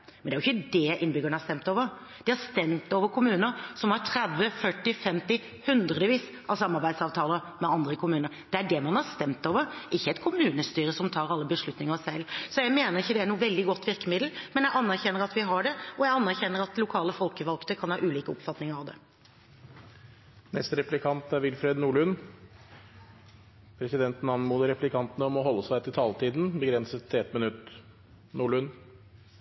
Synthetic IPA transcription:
mɛnɛæɾjʏçːəd̪ɛʔɪnːbʏɡəɳ̩hɑst̪ɛmt̪oːʋəɾ | d̪̥ɪhɑɾst̪ɛmt̪oːʋəɾkʰʊmʉːnəɾsɔmhɑɾʈtʰɾɛd̪ʋəfœʈːɪfɛmt̪ɪ | hʉnd̪ɾəd̪əʋiːs | ʔɑʋsɑmːɑɾbæɪd̪sɑːʋt̪ʰɑːləmɛɑnd̪ɾəkʰʊmʉːnəɾd̪̥ɛæɖɛmɑnhɑɾst̪ɛmt̪oːʋəɾʔɪçːəɛt̪kʰʊmʉːnəst̪yːɾəsɔmt̪ʰɑːɾɑlːəbəʂɭʉt̪nɪŋəsɛlːsɔjæɪmeːnəɾɪçːəd̪ɛæɳuːəʋɛld̪ɪɡɔt̪ːʋɪɾkəmɪd̪l̩mɛnjæʔɑnːæɾçɛnːəɾɑt̪ʋɪɦɑɖɛɔjæɪɑnːæɾçɛnːəɾɑt̪ːlʊkʰɑːləfɔlkəʋɑlkt̪əkʰɑnhɑːʔʉːliːkəɔpfɑt̪nɪŋəɾɑʋd̪ɛ̰ | nɛst̪əɾɛplɪkʰɑnt̪æɾʋɪlfɾeːd̪nuːɭʉn | pʰɾɛsɪd̪ɛnt̪nɑnmuːləɾɛplɪkʰɑnt̪ənəɔmɔɦɔlːəsæɪt̪ʰɪlt̪ʰɑːlt̪ʰiːd̪nbəɡɾɛnsət̪ʰːɪɛt̪mɪnʉt̪ː | nuːɭʉn

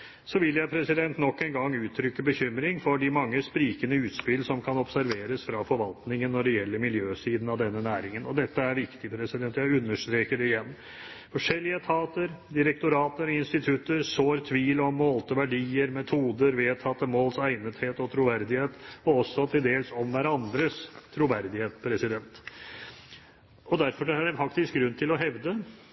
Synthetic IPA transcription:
sɔʋɪlːjæɪpʰɾɛsɪd̪ɛnt̪nɔkːɛnɡɑŋːʉːt̪ʰːɾʏkːəbəçʏmɾɪŋfɔɖɪmɑŋːəspɾiːkənəʉːt̪spɪlsɔmkʰɑnɔpsæɾʋeːɾəsfɾɑfɔɾʋɑlt̪nɪŋənːɔɖɛjɛlːəɾmɪljøːsiːd̪n̩ɑʋd̪ɛnːənæːɾɪŋənɔd̪ɛt̪ːəæɾʋɪkt̪ɪpʰɾɛsɪd̪ɛnt̪jæɪʉnːəʂt̪ɾeːkəɖɛɪjɛnː | fɔʂɛlːɪət̪ʰɑːt̪əɾd̪ɪɾəkt̪ʊɾɑːt̪əɾɪnst̪ɪt̪ʰʉt̪ːəɾsoːɾt̪ʰʋiːlɔmːɔlt̪əʋæɖiːəɾmɛt̪ʰuːd̪əɾʋeːt̪ʰɑt̪ːəmoːlsæɪnət̪heːt̪ɔt̪ʰɾuʋæɾd̪ɪheːt̪ɔɔsːɔt̪ʰɪld̪eːlsɔmʋæɾɑnd̪ɾəst̪ʰɾuʋæɾd̪ɪheːt̪pʰɾɛsɪd̪ɛnt̪ | ɔd̪æɾfɔɖɛæɖɛfɑkt̪ɪsk̚ɡɾʉnːt̪ʰɪlɔɦɛʋd̪ə

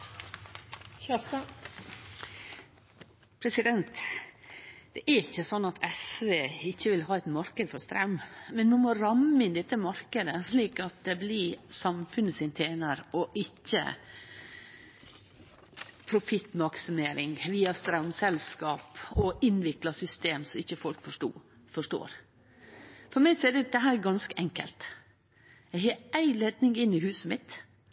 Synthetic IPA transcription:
pʰɾɛsɪd̪ɛnt̪ | d̪̥ɛʔæɾɪçːəsɔnːɑt̪ʰɛsʋeːɪçːəʋɪlɦɑːæt̪mɑɾkəd̪fɔɾst̪ɾɑ̰ʉmmɛnmʊmɔɾɑmːəɪnd̪ɛt̪ːəmɑɾkəd̪əsliːkɑt̪̚d̪ɛblɪsɑmfʉnəsɪnt̪ʰeːnəɾɔʔɪçːə̰ | pʰɾʊfɪt̪ːmɑksʏmeːɾɪŋʋiːɑst̪ɾɑʊnsɛlskɑːpɔɪnʋɪklɑsʏst̪eːmsɔɪçːəfɔlkfɔʂʈṵː | fɔʂʈo̰ːɾ | fɔɾmæɪsɔɛd̪ɛd̪ɛɦæːɾɛɡɑnskəʔɛŋkə̰lt̪ | jæɪɦɑːæɪlɛd̪nɪŋɪnɪhʉːsəmɪt̪

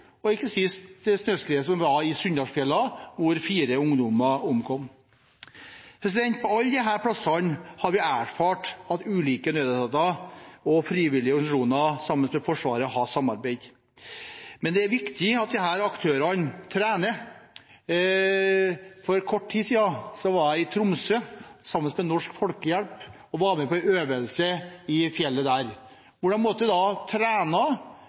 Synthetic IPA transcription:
ɔɪkːəsɪst̪snøːskɾeːəsɔmʋɑɪsʉnd̪ɑsfjɛlːɑʋʊɾfiːɾəʊŋd̪ʊmɑʊmkʰɔm | pʰɛs̬lɛnt̪̚pʰɔɑlːd̪ɛɦæːɾpʰlɑsɑnhɑɾʋɪæːɾfɑːʈɑt̪ʉːliːkənøːd̪ət̪ɑt̪ɑɔfɾiːʋɪlɪəɔɾɡn̩sɑʂuːnɑsɑmːənsmɛfɔʂʋɑːɾəhɑsɑmːɑɾbeɪd̪ | mɛnd̪ɛæɾʋɪkt̪ʰɪɑt̪̚d̪ɪɦæːɾɑkt̪ʰøːɾɑnt̪ʰɾæːnə | fɔɾkʰɔʈːʈʰiːsiːd̪ɑsɔʋɑɾæɪɪt̪ʰɾʊmsøsɑmːən̩smɛnɔʂkfɔlkəjɛlp | ɔʋɑːɾmɛpɔøːʋəlsəɪfjɛlːəd̪æːɾ | ʋʊɖɑnmɔt̪ːəd̪ɛd̪ɑt̪ʰɾæːnɑ

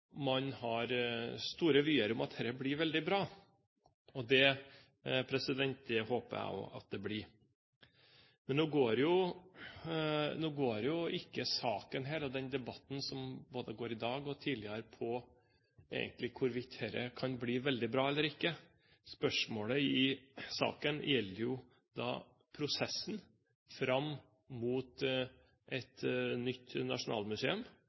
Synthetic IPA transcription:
mɑnhɑɾst̪uːɾəʋyːəɾʊmɑt̪hɛɾːəbliːɾʋɛld̪ɪbɾɑː | ɔd̪ɛ | pʰɾɛsɪd̪ɛnt̪̚d̪ɛhoːpəæ̰ʊ̰ʔɑ̰t̪̚d̪ɛbliː | mɛnnuːɡoːɾjʊ | nuːɡoːɾjʊɪkːəsɑːkənɦæːɾɔd̪ɛnd̪ɛbɑt̪ːn̩sɔmboːd̪əɡoːɾɪd̪ɑːɡɔt̪ʰiːlɪəɾpʰɔ | ḛːɡənt̪lɪkʰʊɾʋɪt̪hɛɾə̰kʰɑnbliːʋɛld̪ɪbɾɑːɛlːəɾɪkːə | spœʂmoːləɪsɑ̰ːkənjɛlːəɾjʊ | d̪ɑ̰ː | pʰɾʊsɛsːn | fɾɑm | muːt̪ | ʔɛt̪nʏt̪ːnɑ̰ʂʊnɑ̰ːlmʉseːʉm

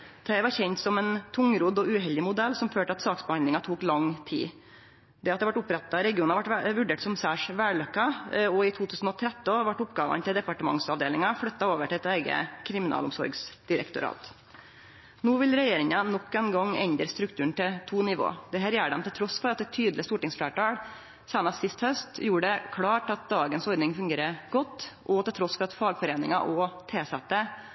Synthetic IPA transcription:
t̪ʰɛʋɑɾçɛɲt̪sɔmɛnt̪ʰʊŋɾud̪ɔʉɦɛlɪmʊd̪ɛlːsɔmføːʈəɑt̪sɑːksbɛhɑnd̪lɪŋɑt̪ʰuːklɑŋt̪ʰḭː | d̪ɛɑt̪d̪ɛʋɑʈʊpɾɛt̪ːɑɾɛɡɪuːnɑʋɑʈʋʉɖeːʈsɔmsæːʂʋæːɭœkːɑɔɪt̪ʰuːt̪ʉːsn̩ɔt̪ʰɾɛt̪ːəɑʋɑʈːʊpɡɑːʋɑ̰nt̪ɪld̪ɛpɑʈəmɑ̰ŋsɑʋd̪eːlɪŋɑflœt̪ːɑoːʋəʈʰɪlɛt̪æɪɡə̰kʰɾɪmɪnɑ̰ːlʊmsɔ̰ɾɡsd̪̥ɪɾə̰kt̪ʊ̰ɾɑ̰ːt̪ | nuːʋɪlɾɛjeːɾɪŋɑnɔkːɛnɡɑŋːɛ̰ɲd̪ɾəst̪ɾʉkt̪ʰʉːəɳ̩t̪ɪt̪ʰuːnɪʋo̰ːd̪ɛɦæːɾjæːɖɛmt̪ʰɪlt̪ʰɾɔsfɔɾɑt̪̚d̪ɛt̪ʰyːd̪lɪst̪uːʈɪŋsfɽæːʈɑːɽ | seːnɑst̪sɪst̪hœst̪juːɖɛkʰɽɑːʈɑt̪̚d̪ɑːɡənsɔɾd̪nɪŋfʉŋɡeːɾəɡ̥ɔt̪ːʔɔt̪ʰɪlt̪ʰɾɔsfɔɾɑt̪fɑːɡfɔɾeːnɪŋɑʔɔt̪ʰeːsɛt̪ːə

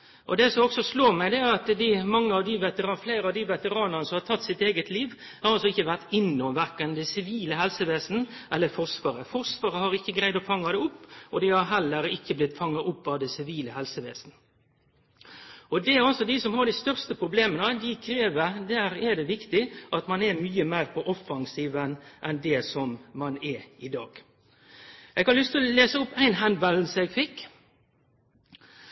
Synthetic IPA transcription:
ʔɔd̪ɛsɔmɔksɔsloːɾmæɪd̪ɛæɾɑt̪d̪ɪmɑŋːəɑʋd̪ɪʋɛt̪əɾɑːflæɪɾəɑʋd̪ɪʋɛt̪əɾɑːnəʁnəsɔmhɑt̪ʰɑt̪ːsɪt̪eːɡət̪liːʋ | hɑɾɑlsɔɪçːəʋæʁt̪ɪnːɔmʋæɾkənd̪ɛsɪʋiːləɦɛlsəʋeːsn̩ʔɛlːəɾfɔʁsʋɑːɾəfɔʁsʋɑːɾəhɑɾɪkːəɡɾæɪd̪ɔfɑŋːɑd̪ɛʊpːɔd̪ɪhɑɾɦɛlːəɾɪkːəblɪt̪ːfɑŋːɑʔʊpːɑʋd̪ɛsɪʋiːləhɛlsəʋḛːsn̩ | ɔd̪ɛæɾɑlsɔd̪ɪsɔmhɑɖ̪æɪst̪œʁst̪əpʰɾʊbleːmənəd̪ɪkʰɾeːʋəd̪æːɾɛd̪ɛʋɪkt̪ɪʔɑt̪mɑnɛɾmyːəmæɪɾpʰɔʔɔfːɑŋsiːʋənʔɛnd̪ɛsɔmmɑnɛɪd̪ɑ̰ːɡ̥ | ʔɛɡhɑɾlʏst̪leːsəʊpːæɪnɦænd̪ʋɛll̩səɛɡfɪkː

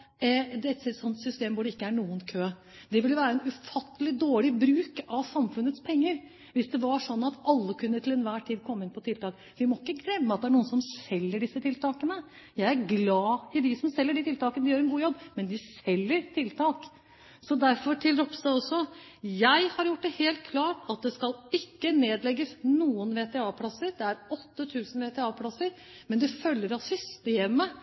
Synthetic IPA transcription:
d̪ɛɛt̪sɛt̪sɔnt̪sʏst̪eːmʋʊɖɛɪkːəæɳuːənkʰøː | d̪ɛʋɪljʊʋæːɾəɛnʉfɑt̪ːəlɪd̪oːɭɪbɾʉːkɑʋsɑmfʉnːət̪spʰɛŋːəɾ | ʋɪsd̪ɛʋɑʂɔnːɑt̪ɑlːəkʰʉnːət̪ʰɪlɛnʋæːʈʰiːd̪kʰɔmːɪnpʰɔt̪ʰɪlt̪ɑːk | ʋɪmɔɪkːəɡɾɛmːəɑt̪̚d̪ɛæɳuːənsɔmsɛlːəɖɪsːət̪ʰɪlt̪ʰɑːkənə | jæɪæɾɡlɑːɪd̪ɪsɔmsɛlːəɖɪt̪ʰɪlt̪ɑːkənəd̪ɪjøːɾɛnɡuːjɔbːmɛnd̪ɪsɛlːəɾt̪ʰɪlt̪ʰɑːk | sɔd̪æɾfɔʈʰɪld̪ɾɔpsd̪ɑɔsːɔ | jæɪhɑɾjʊʈ̚ːd̪ɛheːlt̪̚kʰlɑːʈɑt̪̚d̪ɛskɑlɪkːəneːd̪lɛɡːəsnuːənʋeːt̪ɛɑːpʰlɑsəɾd̪ɛæɾɔt̪ːət̪ʰʉːsən̩ʋeːt̪ʰɛːɑːpʰlɑsəɾ | mɛnd̪ɛfœlːəɾɑsʏst̪eːmə

